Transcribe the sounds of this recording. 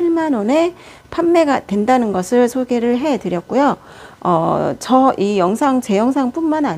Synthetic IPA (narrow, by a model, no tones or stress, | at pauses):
iɭmanwone̞ | pʰanːe̞ɡatwe̞ndanɯnɡʌsʰɯɭsʰoɡe̞ɾɯɭɦe̞tɯɾjʌk̚k͈ujo | ʌ̰t͡ɕʌʔijʌŋsʰaŋt͡ɕe̞jʌŋs̬ʰaŋp͈unmanaɲ